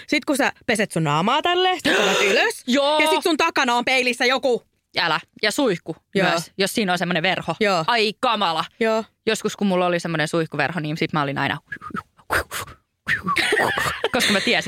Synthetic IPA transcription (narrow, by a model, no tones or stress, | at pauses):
sit̪kusæpeset̪sunɑːmɑːt̪ælːeskɑnɑsyløsjoːjɑsisunt̪ɑkɑnɑompeilisːæjoku | ælæjɑsuihkumyæsjossiːnonsemːoneʋʋerhojoːɑikɑmɑlɑjoːjoskuskummulːolisemːonensuihkuʋḛrhoniːmsit̪mæolinɑ̰inʔɑ̰ | koskɑmæt̪iæsi